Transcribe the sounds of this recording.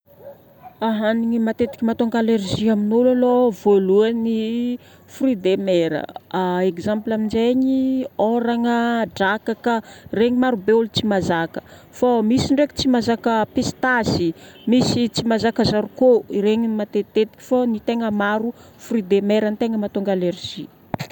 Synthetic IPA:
aɦaniŋimat̪et̪i̥kʲimat̪oŋɡalerʒiaminolalovoluani | frid̪emeɾə̰aekzamplamind͡ʒeɲioɾaŋəɖ͡ʐakakəreɲimaɾubeulut͡simazakə̥ | famisiɳɖ͡ʐeki̥t͡simazakəpest̪asimisit͡simazakəzaɾukoiɾeɲimat̪et̪et̪i̥kʲi̥fonit̪eŋəmaɾu | frid̪emeɾanit̪eŋəmat̪oŋɡalerʒi

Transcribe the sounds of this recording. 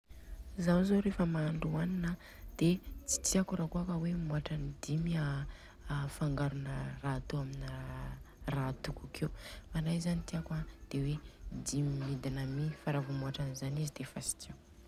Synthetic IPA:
zawzoɾefəmaːɳɖ͡ʐuaninə | d̪̥et͡si̥t͡s̪iakuɾakuakəwemuaʈ͡ʂanid̪ima | faŋɡaɾunərat̪uamin | rat̪ukukʰewmanajzanit̪iakwad̪̥ewed̪imimid̪inəmifaɾavumuaʈ͡ʂanizanizid̪̥efasi̥kʰew

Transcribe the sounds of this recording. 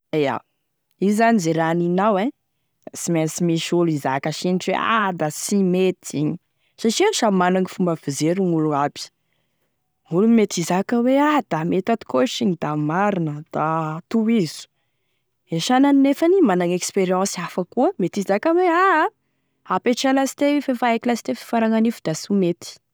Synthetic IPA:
eja̰ | izanizeɾaninawe | simensimiʃulizakaʃiniʈ͡ʂḛa̰d̪asimet̪iɲi | saʈ͡ʂiaʃamanaŋifumbavizeɾunuluabi̥ | ulumet̪izakəwead̪̥amet̪at̪i̥koʃiŋid̪amaɾinəd̪̥at̪uizu̥ | eʃananinefanimanaŋekspeɾiɑ̃siafakuəmet̪izakəwea | apeʈ͡ʂalasi̥t̪efefaekilasi̥t̪efi̥faɾaŋanifud̪̥asumet̪i̥

